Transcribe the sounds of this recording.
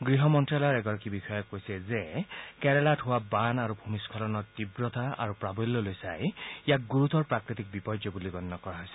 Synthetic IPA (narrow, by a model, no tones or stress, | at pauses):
ɡɹiɦɔmɔntɹaljɔɹɛɡɔɹakibixɔjɔkːojsɛzekɛɹɛlatɦʊwabanaɹupʰumiskʰɔlɔnɔɹt̪ibɹɔt̪ʰaa̰ɹupɹabɔjlːɔlojsajijak̚ɡuɹut̪ɔɹpɹakɹit̪ik̚bipɔd͡ʒjɔbuliɡɔnːɔkɔɹaɦɔjsɛ̥